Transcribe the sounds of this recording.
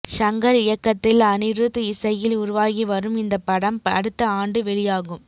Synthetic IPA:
ʂɐŋɡɐɾɪjɐkːɐt̪ːɪlɐnɪɾɯðɯɪsɐjɪlʊɾʊʋaːɣiʋɐɾɯmɪnd̪ɐpːɐɽɐmɐ̰ɽɯt̪ːɐaːɳɖɯʋɛɭɪjaːɣɯm

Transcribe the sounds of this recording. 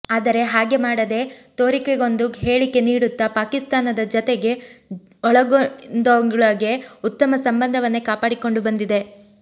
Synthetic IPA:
aːd̪ɐɾe̞ɦaːɡe̞maːɽɐd̪e̞t̪oːɾikeɡo̞nd̪uɦe̞ːɭike̞niːɽut̪ːɐpaːkist̪aːnɐd̪ɐd͡ʒɔt̪e̞ɡe̞ | ɔɭɐɡond̪oŋɡɭɐɡe̞ut̪ːɐmɐsɐmbɐnd̪ʱɐʋɐnːekaːpaːɽiko̞ɳɖubɐnd̪id̪e̞

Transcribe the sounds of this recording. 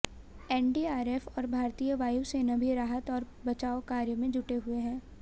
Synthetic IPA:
ɛːnɖiːaːɾeːfɔːɾbʱaːɾt̪ijəʋaːjusenɐbʱiɾaːɦət̪ɔːɾ | bɐt͡ʃaːokaːɾjəmẽd͡ʒʊʈeɦʊeɦɛ̃ː

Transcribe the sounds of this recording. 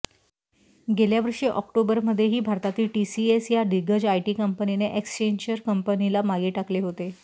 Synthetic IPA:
ɡeljaʋəɾʂiːʔɔkʈobəɾməd̪ʱːjeɦiːbʱaɾt̪at̪iːlʈisiesjaɖiɡəd͡ʑajʈiːkəmpənineʔekst͡ɕeɲd͡ʑəɾkəmpənilamaɡiːʈakleɦot̪e

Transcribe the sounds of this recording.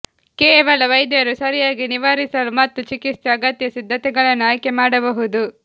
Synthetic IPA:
kɛːʋɐlɐʋɐjd̪jɐɾusɐɾijaːɡiniʋaːɾisɐlumɐt̪ːut͡ʃikistɐːɡɐt̪jɐsid̪ʱːɐt̪ɛɡɐɭɐnːaːjkemaːɽɐbɐɦud̪u

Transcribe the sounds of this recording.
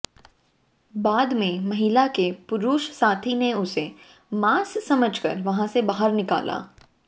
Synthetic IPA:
baːd̪mẽmɐɦɪlakepʊɾuːʃsaːt̪ʰineʊse | maːssɐməd͡ʒkɐ̰ɾʋɐɦãsebaːɦəɾnɪka̰ːlʔa̰ː

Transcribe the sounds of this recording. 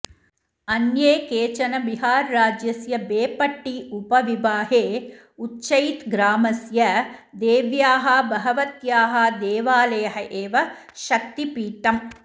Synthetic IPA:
ɐnjeːkeːt͡ʃɐnɐbiɦaːɾːaːd͡ʒjɐsjɐbeːpɐʈːiupɐʋibaːɦeː | utːʃɐjt̪ɡɾaːmɐsjɐd̪eːʋjaːɦɐbɐɦɐʋɐt̪jaːɦɐd̪eːʋaːlɐjɐɦɐʔeːʋɐ | ʃɐk̚t̪ipiːʈɐm

